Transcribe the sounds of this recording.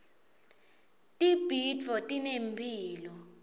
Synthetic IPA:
tʼib̥ʱid͡vʱɔtʼinempʰiːlɔ

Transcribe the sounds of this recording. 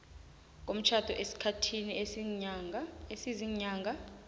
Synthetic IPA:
k̬ʼom̩t͡ʃʰad̥ʱɔʔesi̥kʰatʰini | esiziɲaːŋɡʱa

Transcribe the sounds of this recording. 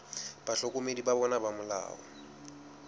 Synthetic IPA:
b̥aɬɔkomedibaβɔnabamʊla̰ːwɔ̰

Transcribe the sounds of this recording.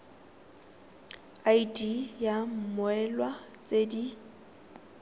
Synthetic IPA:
aidijam̩mʊɛlwat͡sʼedi

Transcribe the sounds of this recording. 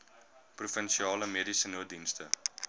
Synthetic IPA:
prufənʃiɑːləmeədisənuədinstə

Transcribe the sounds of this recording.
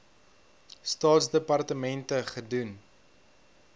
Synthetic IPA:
stɑːtsdəpɐrtəmɛntəχədun

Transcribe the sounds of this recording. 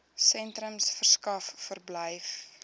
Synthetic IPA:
sɛntɾəmsfərskɐfːərbləjf

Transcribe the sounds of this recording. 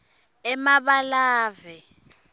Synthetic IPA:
ɛmaɓalaːvɛ

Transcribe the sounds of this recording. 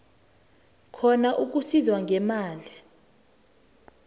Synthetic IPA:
kʰɔnaʔuk̬usizwaŋɡʱɛmaːli

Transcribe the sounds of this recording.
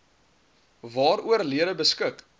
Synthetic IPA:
vɑːɾuərliədəbəskək

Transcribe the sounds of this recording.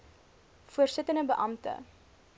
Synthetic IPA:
fuərsətənəbəʔɐmtə̰

